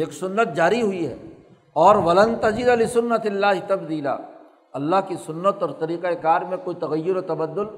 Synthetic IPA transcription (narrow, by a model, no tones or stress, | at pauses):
eːksʊnːət̪̚d͡ʒaːɾiɦʊiɦɛ̰ː | ɔːɾʋɐlə̃nt̪ɐd͡ʒɪd̪alɪsʊnːɐt̪ɪlːaːɦɪt̪ɐbd̪iːla̰ː | ɐlːaːɦkisʊnːət̪ɔːɾt̪ɐɾiːqaekaːɾmẽkoːit̪ɐɣɐjːʊɾot̪ɐbɐd̪ːʊl